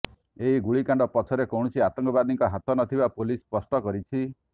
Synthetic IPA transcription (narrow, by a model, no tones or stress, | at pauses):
eɦiɡuɭikaɳɖɔpɔt͡ʃʰɔɾekowɽ̃ɔsiat̪ɔŋkɔbad̪nĩŋkɔɦat̪ɔnɔt̪ʰibapolispɔsʈɔkɔɾit͡ʃʰi